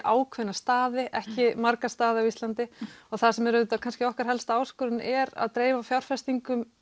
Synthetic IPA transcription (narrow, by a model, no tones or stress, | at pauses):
ʔaːwkʰvɪnːast̪aːðɪʔɛhcɪmaɾkast̪aːðɪawist̪lant̪ɪɔɣθasɛmɛɾʏt̪akʰanscɪɔhkaɾ̥ɦɛlst̪aːwskɔɾʏnɛɾa̰ðt̪ɾeːjvafjawɾ̥fɛst̪iŋkʏm